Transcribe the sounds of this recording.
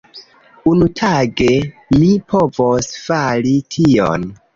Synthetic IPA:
unutʰaɡe̞lipʰo̞vosfalitʰio̰n

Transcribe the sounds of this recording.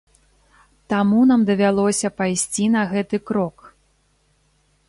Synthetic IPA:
t̪amunamd̪ɐvʲalˠɔsʲɐpajsʲt͡sʲin̪ɐɣɛt̪ɨkɾɔk

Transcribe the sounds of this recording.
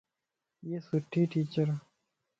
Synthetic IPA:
jesuʈiʈit͡ʃəɾ

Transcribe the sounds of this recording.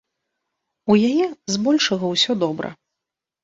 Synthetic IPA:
ujajɛzbɔlʲʂɐɣɐwsʲɔd̪ɔbɾɐ̰

